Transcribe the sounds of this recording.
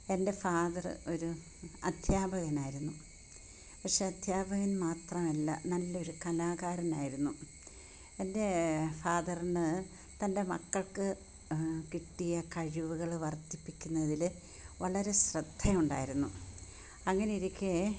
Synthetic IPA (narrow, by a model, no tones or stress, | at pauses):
e̞nde̞faːðɐrɨ̰o̞ɾu | ɐd̪ʱjaːbʱɐɣɐnaːjiɾunːu | pɐkʂe̞ɐd̪ʱjaːbʱɐɣɐnmaːt̪rɐmɐlːɐ̰nɐlːɐo̞ɾukɐlaːɣaːɾɐnaːjiɾunːu | e̞nde̞faːðɐrinɨ | t̪ɐnde̞mɐkːɐɭkɨ | kiʈːijɐkɐɻiʋuɣɐɭʋɐrt̪ːipːikʲːunːɐðil | ʋɐɭɐɾe̞ɕrɨd̪̥ʱːɐjuɳɖa̰ːjiɾunːu | ɐŋːɐneiɾikʲːe